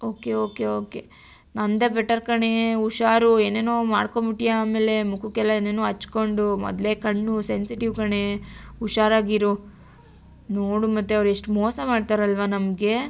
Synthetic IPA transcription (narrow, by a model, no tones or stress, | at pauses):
oːke̞oːke̞oːke̞ | nɐnd̪ebɛʈːɐɾkɐɳe̞uʃaːɾue̞ːneːnoːmaːɽkombiʈijaaːme̞ːle̞mukukɛlːɐeːneːnoːɦɐt͡ʃːko̞ɳɖumɔ̰d̪lekɐɳːusensiʈiʋkɐɳe̞uʃaːɾaːɡiɾu | noːɽumɐt̪ːeɐʋɾueʂʈmoːsɐmaːɖt̪aːɾɐlʋɐnɐmɡe̞